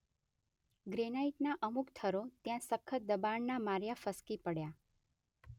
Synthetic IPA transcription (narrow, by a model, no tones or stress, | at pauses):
ɡɾenaiʈnaʔəmukt̪ʰəɾot̪jãsəkʰːəd̪əbaɳnamaɾjafəskipəɽja